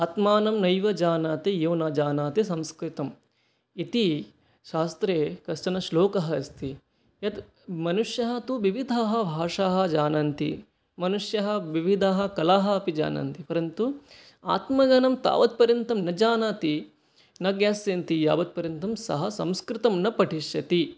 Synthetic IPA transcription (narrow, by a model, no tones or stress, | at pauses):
aːt̪maːnɐmnɐjʋɐd͡ʒaːnaːt̪ijeʋnɐd͡ʒaːnaːt̪isɐ̃mskɾɪt̪ɐm | it̪i | ʃaːst̪ɾeːkɐsʈɐnɐʃloːkɐɦɐɐst̪i | jɐt̪ | mɐnuʂjɐɦɐ̆t̪uʋiʋid̪ʱaːɦɐ̆bʱaːʂaːɦɐ̆d͡ʒaːnɐnt̪ḭ | mɐnuʂjɐɦɐ̆ʋiʋid̪ʱaːɦɐ̆kɐlaːɦɐɐpid͡ʒa̰ːnɐ̰nt̪ipɐɾɐnt̪u | a̰ːt̪mɐɡɐnɐmt̪a̰ːʋɐt̪̚pɐɾjɐnt̪ɐmnɐd͡ʒaːnaːt̪i | nɐɡjaːsjɐnt̪ija̰ːʋɐt̪̚pɐɾjɐnt̪ɐmsɐ̰ɦɐsɐmskɾɪt̪ɐmnɐpɐʈiʃjɐt̪i